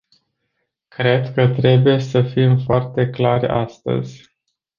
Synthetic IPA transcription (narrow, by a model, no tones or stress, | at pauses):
kɾe̞d̪kət̪ɾe̞buje̞səfimfoart̪e̞klaɾʲa̰st̪ə̰zʲ